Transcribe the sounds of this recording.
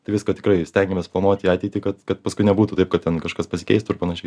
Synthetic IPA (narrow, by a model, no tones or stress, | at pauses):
t̪ɐɪʋʲɪskɐt̪ʲɪkrɐɪsʲtʲɛŋʲɡʲɪmʲɛːsplˠɐnuɔt̪ʲiːɑːt̪ʲɛɪt̪ʲiːkɐt̪kɐt̪̚pɐskʊɪnʲɛbuːt̪uːt̪ɐɪp̚kɐt̪t̪ʲɛnkɐʃkɐspɐsʲɪkʲɛɪst̪ʊɪrpɐnɐʃʲɛɪ